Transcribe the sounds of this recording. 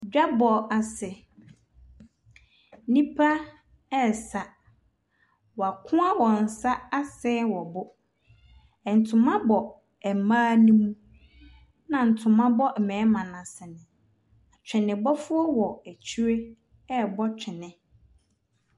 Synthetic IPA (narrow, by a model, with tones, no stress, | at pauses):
d͡ʑᶣa˦bɔ˨a˨sɛ˨ | nĩ˦pʰa˦ | ɛ˦˨sa˨ | wɔ˨a˨kʰʊ̃˦a˦wɔ̃˨n̩˨sa˦a˦sɛ˦wɔ˨bʊ˦ | ɛ˨n̩˨tʰʊ̃˨mã˦bɔ˨ | ɛ˨mãː˦nũ˦mũ˦ | nã˨n̩˨tʰʊ̃˨mã˦bɔ˦˨mɛ̃ː˨˦mã˨nã˨sɪ˨nɪ̃˨ | a˨t͡ɕᶣɪ̃˨nɪ̃˨bɔ˦fʊ˦ɔ˦wɔ˨æ˨t͡ɕʰu˦ɾe˦ | ɛ˦˨bɔ˦t͡ɕᶣʰɪ˨nɪ̃˨